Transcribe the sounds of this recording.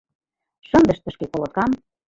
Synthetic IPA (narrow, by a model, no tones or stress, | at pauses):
ʃɤ̆nd̪ə̆ʃt̪ə̆ʃkekolŏt̪̚kɑm